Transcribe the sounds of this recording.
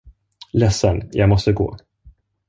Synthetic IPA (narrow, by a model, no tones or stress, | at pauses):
lɛsːənjʔɑːɡmɔst̪əɡo̰ː